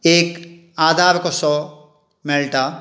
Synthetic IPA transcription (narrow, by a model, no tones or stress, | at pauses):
eːk | aːd̪ʱaːɾkosɔ | mɛlʈa